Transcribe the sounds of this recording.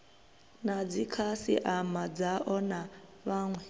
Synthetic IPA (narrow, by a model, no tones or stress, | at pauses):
nad͡zikʰasḭʔamad͡zaʔɔnaβaːŋwɛ